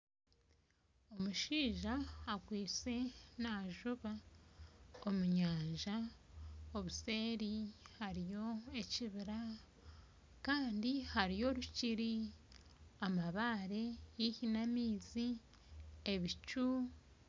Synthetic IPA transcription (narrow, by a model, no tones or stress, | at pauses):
o̞muʃiːʒaːkwiːt͡se̞naʒuβa | omuɲaːɲʒa | o̞βuse̞ːɾihaɾijo̞e̞ciβiɾa | kaːndihaɾijo̞ɾuciɾi | amaβaɾe̞jihinamiːzi | e̞βit͡ʃu